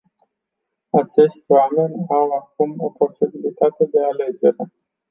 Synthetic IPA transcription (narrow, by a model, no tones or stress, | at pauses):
at͡ʃe̞ʃt̪ʲwame̞nʲawak̚umo̞po̞sibilit̪at̪e̞d̪e̞ale̞d͡ʒe̞ɾe̞